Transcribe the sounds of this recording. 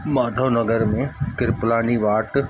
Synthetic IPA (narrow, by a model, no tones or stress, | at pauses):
maːd̪ʱoːnɐɡəɾmẽkɪɾplaːniʋaːʈ